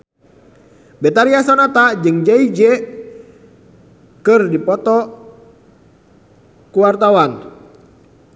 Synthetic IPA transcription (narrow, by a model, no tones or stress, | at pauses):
bɛt̪aɾiasɔnat̪ad͡ʒɨŋd͡ʒaid͡ʒɛ | kɨrdipɔt̪ɔ | kuwart̪awan